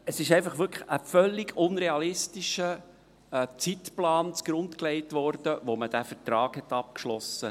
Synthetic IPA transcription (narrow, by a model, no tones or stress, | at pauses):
əsɪʃɛɪfɑχʋʏɾkəfœlːɪɡʊnɾeɑlɪstiʃə | t͡sitplɑːnt͡sɡ̥ɾʊntkleɪtʋɔɾd̥əʋoməd̥æfətɾɑːkhɛt̪ɑp̚kʃlɔsə